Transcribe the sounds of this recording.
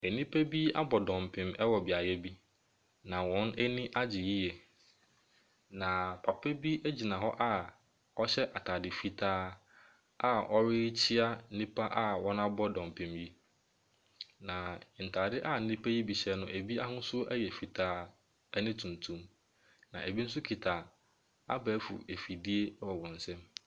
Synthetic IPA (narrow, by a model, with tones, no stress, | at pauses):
ɛ˨nĩ˦pʰæ˦bi˦a̰˦bɔ˨dɔ̃˨m˨pʰɪ̃˨mɛ˦wɔ˨bɪ˨a˨jɛ˦bi˦ | nã˨wɔ̃˦nɛ˦nĩ˦ʔa˦d͡ʑɪ˨ji˦jɛ˨ | nã˨pʰa˨pʰe˦bi˦æ˦d͡ʑi˨nã˨ɦɔ˦ʔa˦ | ɔ˦ɕɛ˦ʔa˨tʰaː˨dɪ˨fi˨tʰaː˦ | a˦ɔ˦ɾɪ˦t͡ɕʰi˦a˦nĩ˦pa˦ʔa˦wɔ˦nã˦bɔ˦dɔ̃˨m˨pʰẽ˨mbi˦ | nã˨n̩˨tʰaː˨dɪ˦ʔa˦n̩˦nĩ˦pʰæ˦ji˦bi˨ɕɛ˦nʊ̃˦ʔæ˨bi˦a˦ɦʊ̃˦sʊ˦æ˦jɛ˨fi˨tʰaː˦ | nɪ̃˦tʰũ˨n˨tʰũ˦m | nã̰˨ʔæ˨bi˦n̩˦sʊ˦kʰi˨tʰaː˨ | a̰˦bæ˨˦fṵ˨e˨fi˨di˦e˦wɔ˨wɔ̃˨n̩˨sɛ̃˦m